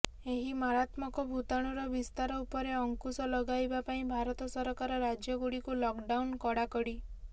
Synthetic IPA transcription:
eɦimaɾat̪mɔkɔbʱut̪aɽ̃uɾɔbist̪aɾɔupɔɾeɔŋkusɔlɔɡajbapaĩbʱaɾɔt̪ɔsɔɾɔkaɾɔɾad͡ʒjɔɡuɽikulɔkɖawnkɔɽakɔɽi

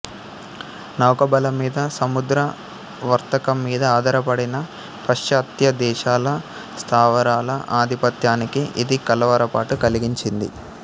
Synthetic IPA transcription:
nɐwkɐbɐlɐmiːd̪ɐsɐmud̪ɾɐ | ʋɐɾt̪ɐkɐmːiːd̪ɐaːd̪ɐɾɐpɐɽinɐ | pɐʃjaːt̪jɐd̪ɛːʃaːlɐ | st̪ʰaːʋɐɾaːlɐʔaːd̪ʱipɐt̪jaːnikiʔid̪ikɐlɐʋɐɾɐpaːʈukɐliɡiɲt͡ʃind̪ḭ

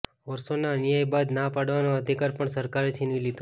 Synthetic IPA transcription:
ʋəɾsonanijajbad̪napaɽʋanoəd̪ʱikaɾpəɳsəɾkaɾet͡ʃʰinʋilid̪õ

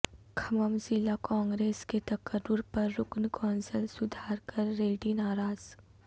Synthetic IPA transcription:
kʰɐməmsɪlakɔ̃ːŋɡɾeːsket̪ɐkəɾːʊɾpɐɾːʊknkɔ̃ːnsəlsʊd̪ʱaːɾkɐɾːeːʈinaːɾaːz̥

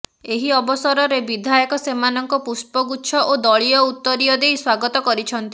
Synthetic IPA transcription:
eɦiɔbɔsɔɾɔɾebid̪ʱajɔkɔsemanɔŋkɔpuspɔɡuʃʰɔʔod̪ɔɭijɔut̪ːɔɾiɔd̪ejswaɡɔt̪ɔkɔɾit͡ʃʰɔnt̪i

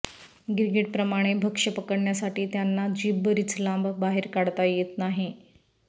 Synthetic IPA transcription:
ɡiɾɡiʈ̚pɾəmaɽ̃ebʱəkʂəpəkəɽɳjasaʈiːt̪janːad͡ʑiːbːəɾit͡slambbaɦeɾkaɽt̪ajet̪naɦi

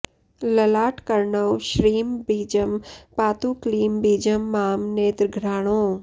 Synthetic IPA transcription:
lɐlaːʈkɐɾɳəwʃɾiːmbiːd͡ʒəmpaːt̪uːkliːmbiːd͡ʒəmːaːmneːt̪ɾɡʱɾaːɽ̃õː

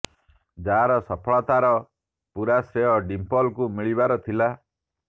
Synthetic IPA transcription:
d͡ʒaɾɔsɔpʰɔɭɔt̪aɾɔ | puɾasɾeɦɔɖimpɔlkumiɭibaɾɔt̪ʰila

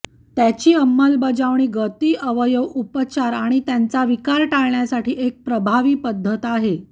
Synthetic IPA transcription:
t̪jat͡ɕiːəmːəlbəd͡zaʋɳ̃iːɡət̪iːʔəʋəjəʋupət͡ɕaɾaɽ̃it̪jant͡saʋikaɾʈaɭɳjasaʈiːʔek̚pɾəbʱaʋiːpəd̪ʱːət̪aɦe

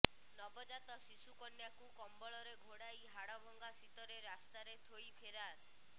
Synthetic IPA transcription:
nɔbɔd͡ʒat̪ɔsisukɔnjakukɔmbɔɭɔɾeɡʱoɽajɦaɽɔbʱɔŋɡasit̪ɔɾeɾast̪aɾet̪ʰojpʰeɾaɾ

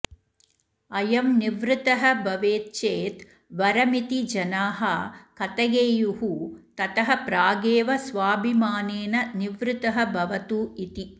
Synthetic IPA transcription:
ɐjɐmniʋɾɪt̪ɐɦɐbʱɐʋeːt̪̚t͡ʃeːt̪ | ʋɐɾɐmit̪id͡ʒɐnaːɦɐkɐt̪ɐɡeːjuɦut̪ɐt̪ɐɦɐpɾaːɡeːʋɐsʋaːbʱimaːneːnɐniʋɾɪt̪ɐɦɐbʱɐʋɐt̪uːit̪i

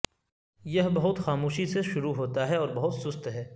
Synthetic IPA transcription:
jɐɦbɐɦʊt̪xaːmuːʃiseʃʊɾuɦoːt̪aɦɛɔːɾbɐɦʊt̪sʊst̪ɦɛː

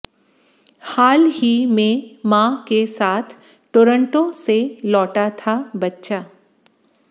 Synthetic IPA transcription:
haːlɦimẽmãːkesaːt̪ʰ | ʈoːɾə̃ɳʈõselɔːʈat̪ʰabɐtːʃaː

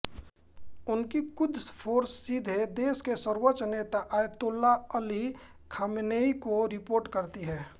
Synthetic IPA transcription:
ʊnkikʊd̪ʱspʰoːɾsːid̪ʱed̪eːskesəɾwət͡ʃneːt̪aʔajt̪ʊlːaəli | kʰamneikoɾɪpoːɾʈkəɾt̪iɦɛː

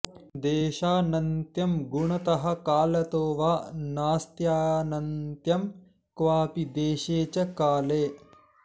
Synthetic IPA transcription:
d̪eːʃaːnɐnt̪jɐmɡuɳɐt̪ɐɦɐ̆kaːlɐt̪oːʋaːnaːst̪jaːnɐnt̪jɐm | kʋaːpid̪eːʃeːt͡ʃɐkaːleː

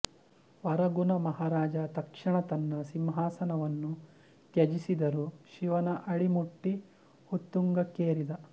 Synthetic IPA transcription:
ʋɐɾɐɡunɐmɐɦaːɾaːd͡ʒɐt̪ɐkʂɐɳɐt̪ɐnːɐsimɦaːsɐnɐʋɐnːu | t̪jɐd͡ʒisid̪ɐɾuʃiʋɐnɐʔɐɽimuʈːi | hut̪ːuŋɡɐkeːɾid̪ɐ

